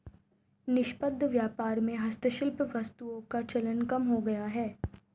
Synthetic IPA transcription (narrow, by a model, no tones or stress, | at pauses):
nɪʃpəd̪ʱːʋjaːpaːɾmẽɦɐst̪əʃɪlpʋɐst̪uõkat͡ʃɐlənkɐmɦoɡɐjaɦɛː